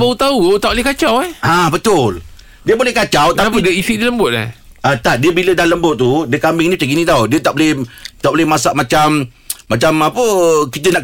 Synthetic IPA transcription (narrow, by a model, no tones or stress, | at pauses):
baut̪aut̪aʔbolehkat͡ʃawɛhabət̪ʊl | diəbolɛhkat͡ʃawt̪apidəisidiələmbʊt̪̚la̰h | ʔat̪aʔ̚diəbilədanləmbʊt̪̚t̪ːudiəkambɪŋnĩpət͡ʃaɡinĩt̪awdiət̪aʔbolɛht̪aʔbolɪhmasaʔmat͡ʃam | mat͡ʃamapəkit̪ənaʔ